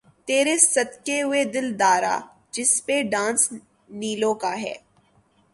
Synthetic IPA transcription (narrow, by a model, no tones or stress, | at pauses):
t̪eːɾesɐt̪keɦʊed̪ɪld̪aːɾa̰ː | d͡ʒɪspeɖãːns | niːlõkaɦɛ̰ː